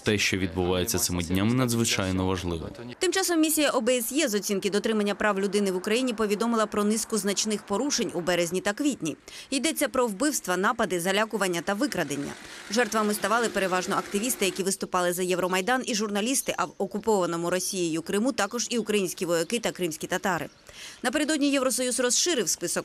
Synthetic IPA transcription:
t̪ɛʃt͡ʃɔʋʲid̪̚bʊʋajet͡sʲːɐt̪sɪmɪdʲnʲamɪnɐd̪zʋɪt͡ʃajnɔʋɐʒlˠɪ̰ʋɔ̰t̪ɪmt͡ʃɑsɔmːʲisʲijɐʔɔbɛɛsjɛzɔt͡sʲinkɪd̪ɔt̪ɾɪmɐnʲːɐpɾɑwlʲʊd̪ɪnɪʋʊkɾɐjinʲipɔʋʲid̪ɔmɪlˠɐpɾɔnɪskʊznɐt͡ʃnɪxpɔɾuʃe̞nʲubɛɾezʲnʲit̪ɐkʋʲitʲnʲiid̪ɛt͡sʲːɐpɾɔwbɪwst̪ʋɐnɑpɐd̪ɪzɐlʲakʊʋɐnʲːɐt̪ɐʋɪkɾɐd̪enʲːɐ̰ʒɛrt̪ʋɐmɪst̪ɐʋɑlˠɪpe̞ɾe̞ʋɑʒnɔɐkt̪ɪʋʲist̪ɪjɐkʲiʋɪst̪ʊpɑlˠɪzɐjɛʋɾɔmɐjd̪ɑniʒʊrnɐlʲist̪ɪʔɐwɔkʊpɔʋɐnɔmʊɾɔsʲijijʊkɾɪmut̪ɑkɔʒiukɾɐjinʲsʲkʲiʋɔjɐkɪt̪ɐkɾɪmsʲkʲit̪ɐt̪ɑɾɪ̰ | nɐp̬e̞ɾed̪ɔdʲnʲijɛʋɾɔsɔjuzrɔsʃɪɾɪwspɪsɔk

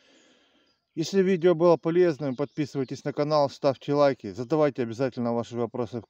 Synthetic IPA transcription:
jesʲlʲɪvʲidʲɪobɨlˠəpɐlʲe̞znɨmpɐt̪̚pʲisɨvəjtʲɪsʲnəkɐnalˠst̪afkʲɪlˠajkʲɪzəd̪ɐvajtʲɪɐbʲɪzatʲɪlʲnəvaʂɨvɐpɾo̞sɨ

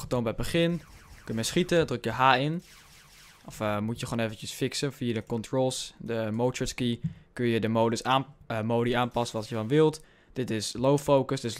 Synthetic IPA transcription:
χə̥toːnbɛj̚bəχɪnkønəmɛsχitədrɵkjəɦaːɪn | ʔɔfəmutjəχoːnevəntəsfɪksənfiədəkɔntrolˠsdəmowtəskikønjədəmoːdəsamowdiaːnpɑsənʋɑtjəfɑnʋɪlˠt | d̥ɪtɪslowfowkəsdɪ

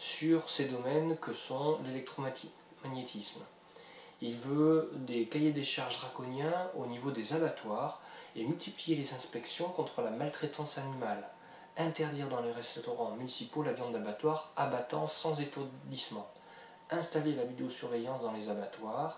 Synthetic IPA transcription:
syʁsed̪ɔmɛnkəsɔ̃lelɛk̚t̪χɔ | maɲet̪ʰism | ilvød̪ekajed̪eʃaʁʒʁakɔnjɛ̃onivod̪ezabat̪waʁemylt̪ʰiplijelezɛ̃spɛksjɔ̃kɔ̃t̪χəlamalt̪χet̪ɑ̃sanimal | ɛ̃t̪ɛʁd̪iʁd̪ɑ̃leʁɛst̪ɔʁɑ̃mynisipolavjɑ̃abat̪waʁabat̪ɑ̃sɑ̃zet̪uʁd̪ismɑ̃ | ɛ̃st̪alelavid̪eosyʁvɛjɑ̃sd̪ɑ̃lezabat̪waʁ

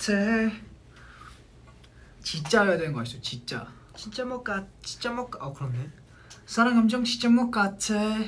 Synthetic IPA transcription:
tʰe | t͡ɕit͡ɕ͈ajadwenɡʌk͈aɕʰit͡ɕot͡ɕit͡ɕ͈a̰ | t͡ɕint͡ɕ͈amʌk͈at͡ɕi̥t͡ɕ͈amʌk͈ʌkɯɾʌnːe | sʰaɾaŋamd͡ʑʌŋt͡ɕʰi̥t͡ɕ͈amʌk͈at͡ɕʰe

